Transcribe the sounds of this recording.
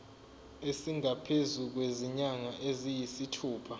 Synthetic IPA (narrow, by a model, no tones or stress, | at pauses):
esiŋapʰezuk̬weziɲaŋaʔezijisitʰuːpʰa